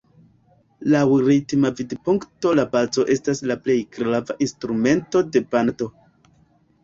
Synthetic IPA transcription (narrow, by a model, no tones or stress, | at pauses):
lawɾitmavidpuŋkto̞labazo̞ʔe̞staslaple̞jɡɾavaʔinstɾume̞nto̞de̞panato̞